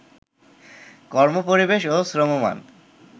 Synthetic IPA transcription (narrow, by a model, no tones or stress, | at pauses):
kɔɾmopoɾibeʃosɾomoma̰n